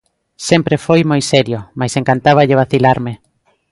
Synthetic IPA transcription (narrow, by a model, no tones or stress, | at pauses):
sɛmpɾefojmojsɛɾjomajseŋkant̪aβ̞aʎeβ̞aθilaɾme